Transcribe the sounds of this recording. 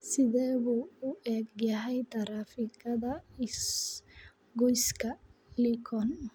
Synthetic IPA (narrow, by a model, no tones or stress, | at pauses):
sɪðɛːβuːʊʔɛːɡjɐɦɛjt̪ʰɐɾaːfɪkɐðɐs | ɡɔjskʰɐlikʰɔn